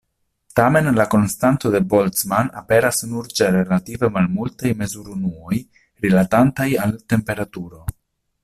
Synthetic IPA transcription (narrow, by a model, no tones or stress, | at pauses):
t̪ame̞nlako̞nst̪ant̪o̞d̪e̞bo̞lt͡smana̰pe̞ɾasnuɾt͡ʃeɾelative̞malmultajme̞zuɾunuo̞j | ɾilatantajalte̞mpe̞ɾat̪uɾo̞